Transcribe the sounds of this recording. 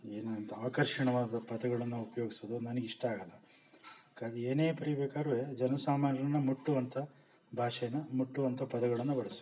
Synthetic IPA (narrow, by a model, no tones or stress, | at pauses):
eːnaɐnt̪ʰɐaːkɐɾʂɐɳɐʋaːd̪ɐpɐd̪ɐɡɐɭɐnːuupɐjoːɡisod̪unɐnɐɡiʂʈɐaːɡɐlːɐ | kaːɡieːneːpɐɾibeːkaːɾʋed͡ʒɐnɐsaːmaːnjɐɾɐnːɐmuʈːuʋɐnt̪ʰɐ | bʱaːʂɛjɐnɐmuʈːuʋɐnt̪ʰɐpɐd̪ɐɡɐɭɐnːubɐɽɐsu̥